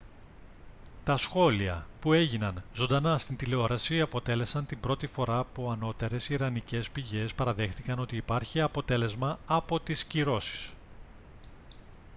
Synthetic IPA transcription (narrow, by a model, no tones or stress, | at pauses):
t̪ɐsxo̞liɐ̰pue̞ʝinɐnzo̞nd̪ɐnɐst̪int̪ileo̞ɾɐsiɐpo̞t̪e̞le̞sɐnt̪imbɾo̞t̪ifo̞ɾɐːpuɐno̞t̪e̞ɾe̞siɾɐnice̞spiʝe̞spɐɾɐðe̞xθikɐno̞t̪iːpɐɾçiɐpo̞t̪e̞le̞zmɐːpo̞t̪isciɾo̞si̥s